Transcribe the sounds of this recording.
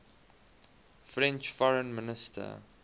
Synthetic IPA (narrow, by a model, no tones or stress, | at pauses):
fɹɛ̃nt͡ʃfɔɹə̃nmɪnɪstʰə̰